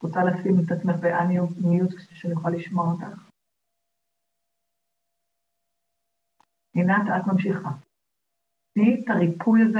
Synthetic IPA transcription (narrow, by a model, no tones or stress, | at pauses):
ʁot͡salasimet̪at͡smeχbeʔaniunijut̪sʃenjuχalːiʃmoʁot̪aχ | inat̪at̪mamʃiχa | nit̪aʁipʰujaze